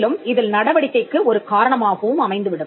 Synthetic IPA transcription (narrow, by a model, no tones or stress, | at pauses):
lɯmɪðɪlnɐɽɐʋɐɽɪkːɐɪkːɯɔɾɯkaːɾɐɳɐmaːɣɐʋɯmɐmɐɪnd̪ɯʋɪɽɯm